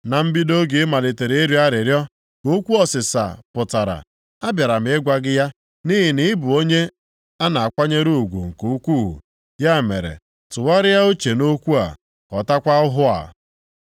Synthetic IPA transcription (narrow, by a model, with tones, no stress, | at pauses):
na˨m̩˦bi˦do˦ɡe˨˦ma˨lɪ˨te˨ɾe˨i˦ɾi˦a˦ɾɪ˨ɾjɔ˦ | o˦kʷu˦ɔ˦sɪ˨sa̰˨pʊ˨ta˨ɾa̰˨ | a˦bja˨ɾa˨m̩˨˦ɪ˦ɡʷa˦ɡɪ˦ja˦ | ni˦ɦɪ˨nɪ˦bʊ˨o˦ɲe˦ | a˦na˨a˨kʷa˦ɲe˦ɾu˦˨ɡʷṵ˨ŋ̩˨ku˨u˦kʷu˦˨ɦṵ˨ | ja˦˨mḛ˨ɾḛ˨ | tʊ˨wa˦ɾɪ˦ja˦o˦t͡ʃe˨no˦kʷu˦a̰˨ | ɔ˨ta˦kʷa˦ʊ˦ɦʊ˦a̰˨